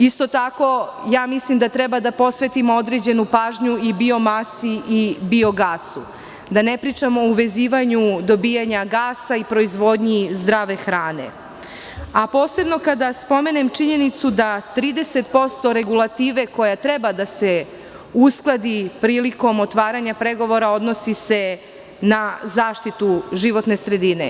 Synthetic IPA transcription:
ist̪o̞t̪ako̞jaːmislimd̪at̪ɾebad̪apo̞sʋe̞t̪imood̪ɾe̞d͡ʑe̞nupaːʒɲuibio̞masiʔibio̞ɡaːsu | d̪anepɾiːt͡ʂamoouʋe̞ziːʋaɲud̪o̞bijaɲaɡaːsaipɾo̞izʋo̞d̪ɲizd̪ɾaːʋe̞xɾaːne̞̰ | apo̞ːse̞bno̞kad̪aspo̞me̞ne̞mt͡ʃiɲe̞nit̪sud̪at̪ɾiːd̪e̞se̞t̪po̞st̪o̞ɾe̞ɡulˠat̪iːʋe̞ko̞jat̪ɾe̞bad̪ase̞ | usklˠad̪ipɾiːliko̞mot̪ʋaːɾaɲapɾe̞ɡo̞ʋo̞ɾao̞d̪no̞sise̞ | nazaːʃt̪it̪uʒiʋo̞t̪ne̞sɾe̞d̪inḛ

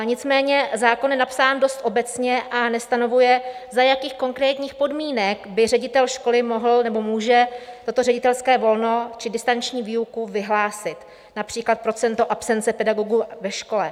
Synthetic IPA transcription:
ɲɪt͡smɛːɲɛzaːkonjɛnapsaːndo̞st̪ʔo̞bɛt͡sɲɛʔanɛst̪ano̞vujɛzajakiːxko̞ŋkɾɛːt̪ɲiːxpo̞dmiːnɛkbɪrɛɟɪt̪ɛlʃko̞lɪmo̞ɦl̩nɛbo̞muːʒɛt̪o̞t̪o̞rɛɟɪt̪ɛlskɛːvo̞lno̞t͡ʃɪdɪst̪ant͡ʃɲiːviːukuvɪɦlaːsɪt̪ | napr̝̥iːklat̪̚pɾo̞t͡sɛnt̪oʔapsɛnt͡sɛpɛdaɡo̞ɡuvɛʃko̞lɛ

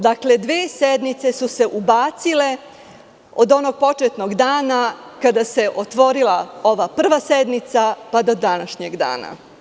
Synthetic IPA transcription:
d̪akle̞d̪ʋeːsed̪mit̪se̞suse̞ʔubaːt̪sile̞ | od̪o̞no̞ɡ̚po̞t͡ʃet̪noɡd̪aːnakad̪ase̞ʔo̞t̪ʋo̞ɾilao̞ʋapr̩ʋased̪mit̪sapad̪o̞d̪anaʃɲeɡd̪a̰ːna̰

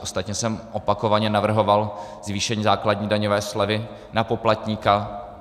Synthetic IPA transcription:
ost̪at̪ɲɛsɛmʔopako̞vaɲɛnavr̩ɦo̞val | zviːʃɛɲiːzaːklad̚ɲiːdaɲovɛːslɛvɪ | napo̞plat̪ɲiːka

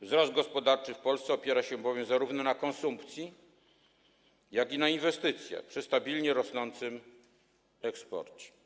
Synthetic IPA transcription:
vzɾɔzd̪̚ɡɔspɔd̪aɾt͡ʂɘfpɔlst̪sɛɔpʲjɛɾaɕɛbɔvʲjɛmzaɾuvnɔnakɔnsumpt̪sʲji | jaɡʲinainvɛst̪ɘt̪sʲjɛ̰pʂɘst̪abʲilɲɛɾɔsnɔnt̪sɘm | ɛkspɔ̰ɾt͡ɕɛ̥

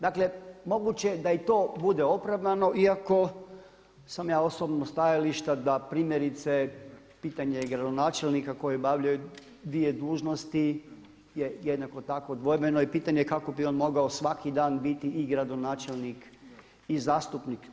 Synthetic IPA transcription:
d̪akle̞mo̞ɡut͡ɕed̪ait̪oːbud̪eopɾaʋd̪ano̞ʔiako̞ | samjaːosobnost̪ajaliʃt̪ad̪apɾiːmjeɾit̪se | piːt̪aɲeɡɾad̪onaːt͡ʃelnikako̞jebaʋʎaju | d̪ʋije̞d̪uːʒnost̪i | jejed̪nako̞t̪akod̪ʋo̞jbenoipiːt̪aɲekako̞bioːnmo̞ɡaosʋakid̪aːnbit̪iːɡɾad̪o̞naːt͡ʃelnik | izaːst̪upnik

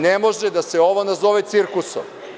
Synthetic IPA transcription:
nemo̞ʒed̪aseo̞ʋo̞nazo̞ʋet̪siɾkuso̰m

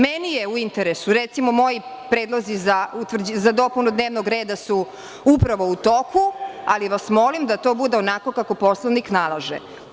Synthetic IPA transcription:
mɛnijeuint̪eɾesuɾɛt̪simomojipɾed̪lˠozizaut̪vr̩d͡ʑzad̪o̞punud̪neːʋnoɡɾe̞ːd̪asu | upɾaʋo̞ut̪okualiʋasmo̞limd̪at̪oːbud̪eonako̞kako̞po̞slˠaniknalˠaʒḛ

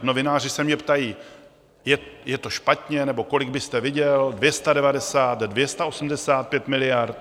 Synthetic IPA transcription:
no̞vɪnaːr̝ɪsɛmɲɛpt̪ajiː | jɛjɛt̪o̞ʃpat̪ɲɛnɛbo̞ko̞lɪɡ̚bɪst̪ɛvɪɟɛldvjɛst̪adɛvadɛsaːt̪dvjɛst̪aʔo̞sm̩dɛsaːt̪̚pjɛt̪mɪlɪjaɾt̪

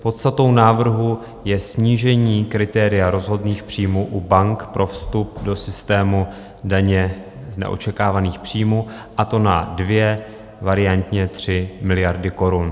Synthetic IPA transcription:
po̞t̪st̪at̪o̞wnaːvr̩ɦu | jɛsɲiːʒɛɲiːkɾɪt̪ɛːɾɪjaɾo̞zɦo̞dniːxpr̝̥iːmuːʔubaŋkpɾʔo̞fst̪up̚do̞sɪst̪ɛːmu | daɲɛ | znɛ̰ʔo̞̰t͡ʃɛkaːvaniːxpr̝̥iːmuː | ʔat̪o̞nadvjɛ | vaɾɪjant̪ɲɛt̪r̝̥ɪmɪlɪjaɾdɪko̞ɾun

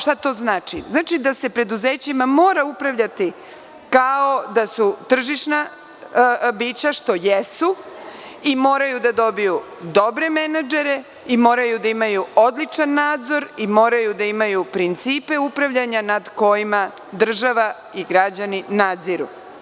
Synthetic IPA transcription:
ʃt̪at̪o̞znaːt͡ʃḭznaːt͡ʃid̪ase̞pɾe̞d̪uze̞ːt͡ɕimamo̞ːɾaupɾaʋʎat̪i | kao̞d̪asut̪r̩ʒiʃna | biːt͡ɕaʃt̪o̞jesu | imo̞ːɾajud̪ad̪o̞biju | d̪o̞bɾe̞menad͡ʒeɾe | imo̞ːɾajud̪aimajuo̞d̪lit͡ʃanːaːd̪zo̞ɾimo̞ːɾajud̪aimajupɾint̪siːpe̞upɾaʋʎaɲanad̪ko̞jima | d̪r̩ʒaʋa | iɡɾad͡ʑaninaːd̪ziɾṵ

